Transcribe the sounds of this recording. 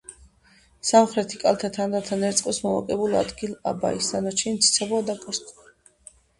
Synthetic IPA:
samχɾɛt̪ʰikʼalˠt̪ʰat̪ʰand̪at̪ʰanɛɾt̪sʼqʼɔsmɔma̰kʼɛbula̰d̪ɡilˠa̰ba̰isanat͡ʃʰimt̪sʰi̥t̪sʰɛbɔad̪akʼɔst̪ʼ

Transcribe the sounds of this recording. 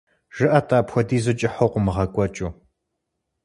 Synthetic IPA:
ʒ̥ɨʔɐtʼaːpxʷɔdiːzɨt͡ʃʼɪħowqʷʊmɨʁɐkʷʼɔt͡ʃʼuː

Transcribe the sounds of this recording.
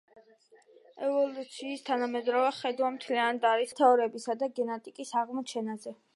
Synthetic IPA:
ɛvɔlˠut̪sʰiːst̪ʰanamɛd̪ɾɔvɛχɛd̪wamt̪ʰliand̪aɾist̪ʰɛɔɾɛbisad̪aɡɛnat̪ʼikʼisaʁmɔt͡ʃʰɛnazɛ

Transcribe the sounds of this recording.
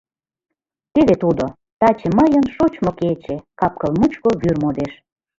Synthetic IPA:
t̪eβet̪ud̪o | t̪ɑt͡ɕeməjə̆nʃot͡ɕmoket͡ɕekɑp̚kəlmut͡ɕkoβyrmod̪eʃ

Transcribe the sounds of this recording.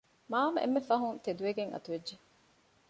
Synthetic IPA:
maːmɐḛmːefɐɦunt̪ed̪uʋeɡeŋʔɐ̰t̪uʋedʒe

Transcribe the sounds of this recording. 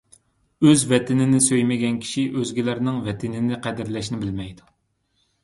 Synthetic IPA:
øzvɛt̪ʰɪnɪnɪsøjmɪɡʲɛnkʲʰi̥ʃiʔøzɡʲilæɾnɨŋvɛt̪ʰɪnɪnɪqʰɛd̪ɪɾlɛʃnɪbɪlmɛjd̪u̥

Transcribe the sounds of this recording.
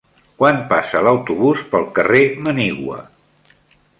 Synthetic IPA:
kwanpasələwt̪uβuspəlˠkəreməniɣwə̰

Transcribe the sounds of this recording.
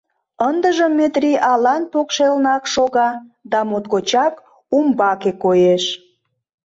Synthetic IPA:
ənd̪əʒəmːet̪rʲiʔɑlɑnpokʃelnɑkʃoɣɑd̪ɑmot̪kot͡ɕɑk | umbɑkekojeʃ

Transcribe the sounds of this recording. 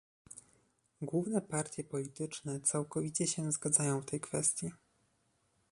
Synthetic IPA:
ɡwuvnɛpaɾt̪ʲjɛpɔlʲit̪ɘt͡ʂnɛt̪sawkɔvʲit͡ɕɛɕɛ̃zɡad̪zajɔ̃w̃ft̪ɛjkfɛst̪ʲji

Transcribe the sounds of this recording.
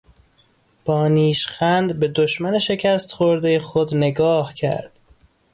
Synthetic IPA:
b̥ɒːniːʃxænd̪be̞d̪oʃmæneʃe̞cʰæst̪χoɾd̪ejexod̪ne̞ɡɒːhcʰæ̰ɾd̪̥

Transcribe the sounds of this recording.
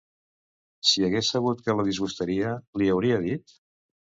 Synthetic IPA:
siəɣesːəɣ̞ut̪kələðizɣust̪əɾiəliəwɾiəðit̪̚

